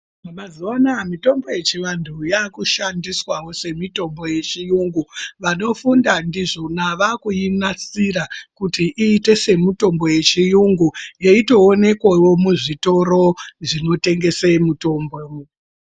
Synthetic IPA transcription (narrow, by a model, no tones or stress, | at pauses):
mamaziwanamito̞mbo̞je̞t͡ʃiʋantʰujakuʃandiswawo̞se̞mito̞mbo̞je̞t͡ʃijuŋɡuʋano̞fundandiʐonaʋakujinasiɾakutiʔiːte̞se̞muto̞mbo̞je̞t͡ʃijuŋɡujeito̞ːne̞kwawomuʐito̞ɾo̞ʐino̞te̞ŋɡe̞semuto̞ːmbou